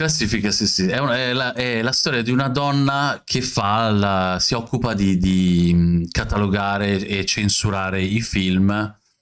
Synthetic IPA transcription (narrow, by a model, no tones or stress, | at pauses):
klasːiːfikasisiɛunɛlaʔɛlast̪ɔːɾjad̪iunad̪ɔnːakʰefalasiɔkːupad̪id̪i | kat̪aloɡaːɾeet͡ʃensuɾaːɾeifilm